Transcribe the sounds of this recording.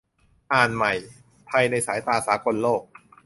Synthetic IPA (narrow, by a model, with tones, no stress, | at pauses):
ʔaː˨˩nma˨˩j | pʰa˧jna˧jsaː˩˦jt̪aː˧saː˩˦kʰo˧nloː˥˩k̚